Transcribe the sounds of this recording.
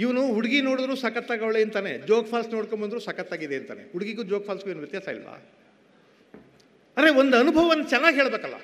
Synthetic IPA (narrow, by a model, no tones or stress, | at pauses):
iʋɐnuɦuɽɡino̞ːɽud̪ɾuːsɐkɐt̪ːaːɡɐʋɭeːnt̪aːne̞d͡ʒoːkpʰaːlsnoːɽkombɐnd̪ɾuːsɐkɐt̪ːaːɡid̪eːnt̪a̰ːne̞̰ɦuɽɡiɡud͡ʒoːkpʰaːlsɡueːnuʋjɐt̪jaːsɐḭlʋɐ̰ | ɐɾeond̪ɐnubʱɐʋɐʋɐnːɐt͡ʃɛnːaːɡiɦeːɭbeːkɐlːa̰